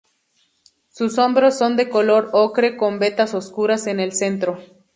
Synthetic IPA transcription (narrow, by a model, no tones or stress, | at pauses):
suso̞mbɾosːo̞nd̪e̞kolo̞ɾokɾe̞ko̞mbe̞t̪asoskuɾase̞ne̞lse̞nt̪ɾo